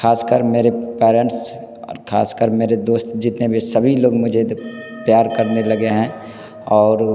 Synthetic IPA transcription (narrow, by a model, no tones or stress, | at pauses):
xʰaːskəɾmeːɾepɛːɾə̃ɳʈs | ɔ̰ːɾkʰa̰ːskəɾmeːɾed̪oːst̪d͡ʒɪt̪nebʱisəbʱiloːɡmʊd͡ʒʱe | pjaːɾkəɾnelɐɡeɦɛ̃ː | ɔːɾ